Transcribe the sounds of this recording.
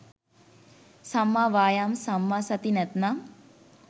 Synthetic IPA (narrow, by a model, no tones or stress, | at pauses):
samːaːʋaːjaːmsamːaːsɐt̪inɛt̪nam